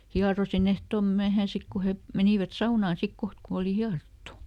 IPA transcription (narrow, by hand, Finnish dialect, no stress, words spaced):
hiɑrosin ehtom myæhæː sik ku he meniˑʋæt sɑunɑː sik koht ku oli hiɑrotːu